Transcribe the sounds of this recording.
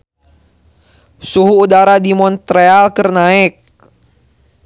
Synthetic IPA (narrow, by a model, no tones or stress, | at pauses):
suɦuːdaɾadimɔnt̪ɾealkərnaɪk̚